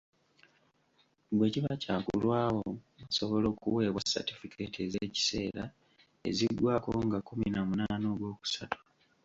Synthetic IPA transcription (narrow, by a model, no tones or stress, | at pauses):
bwe̞ːciβacaːkṵlwaːwoaso̞βo̞lo̞ːkuwe̞ːβwasa̰tifikʰe̞tezeːci̥se̞ːɾa | e̞̰ziɡːwʔaːkoŋɡakuminamunaːnoːɡwo̞ːku̥sato̥